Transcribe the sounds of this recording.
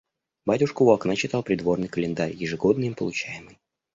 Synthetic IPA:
batʲʊʂkʊvʊɐknat͡ɕɪt̪alˠpɾʲɪd̪vo̞rnɨjkəlʲɪnd̪aɾʲjɪʐɨɡo̞d̪nəimpəlˠʊt͡ɕæjɪmɨj

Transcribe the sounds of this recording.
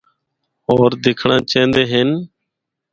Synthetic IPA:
oːɾd̪ɪːkʰɳãːt͡ʃẽːnd̪eːɦɪn

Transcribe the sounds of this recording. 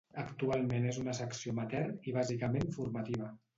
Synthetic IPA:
əkt̪ualˠmenezunəsəksiomat̪ɛrniβ̞azikəmeɱfuɾmat̪iβ̞ə

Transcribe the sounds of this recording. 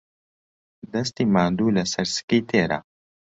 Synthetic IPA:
d̪ɐst̪iːmaːnd̪uːlɐsɐɾsɨ̥kiːt̪ʰeːɾa̰

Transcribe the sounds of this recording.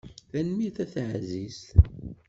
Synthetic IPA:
θænmiθæθʕzis

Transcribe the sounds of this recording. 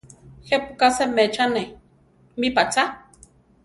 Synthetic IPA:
hɛpukasɛmɛt͡ʃanɛ | mipat͡sa

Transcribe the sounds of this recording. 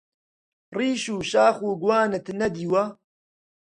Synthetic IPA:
riːʃuːʃaːxuːɡwaːnɨt̪ʰnɐd̪iːwa

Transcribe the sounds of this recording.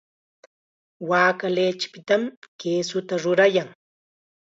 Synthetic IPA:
waːkaleːt͡ʃɪ̥pɪt̪amkeːsʊt̪aɾʊɾajaŋ

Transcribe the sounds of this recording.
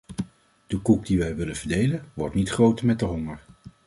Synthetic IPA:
d̥əkuk̚diʋɛjʋɪlənvəɹdejlənʋɔɹtnitχrowtəmɛt̚dəɦɔŋəɹ

